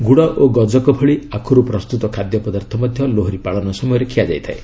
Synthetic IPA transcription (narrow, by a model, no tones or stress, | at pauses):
ɡuɽɔʔoɡɔd͡ʒɔkɔbʱɔɭiakʰɔɾupɾɔst̪ut̪ɔkʰad̪jɔpɔd̪aɾt̪ʰɔmɔd̪ʱjɔloɦɾipaɭɔnɔsɔmɔjɔɾekʰiad͡ʒajt̪ʰae